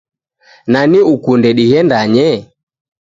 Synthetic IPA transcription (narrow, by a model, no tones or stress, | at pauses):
naniukundɛɗihɛndaɲɛ